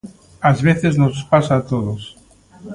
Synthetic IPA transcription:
azβeθeznospasaːt̪oðos

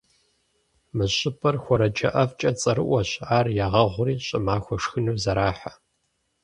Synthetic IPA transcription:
mɨɕʼɪpʰɐrxʷɔɾɐd͡ʒɐ̰ʔɐft͡ʃʼɐt͡sʼɐɾɨʔʷɔɕʼʕaːrjaːʁɐʁʷʊriːɕʼɨmaːxʷɔʂxɨnuːzɐɾaːħḁ

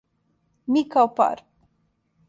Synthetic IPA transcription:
mikawpa̰ɾ

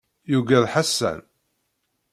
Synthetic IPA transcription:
juɡæðħasːæ̰n

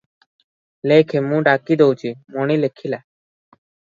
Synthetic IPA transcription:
lekʰemũːɖakid̪owt͡ʃʰimɔɳilekʰilɛ

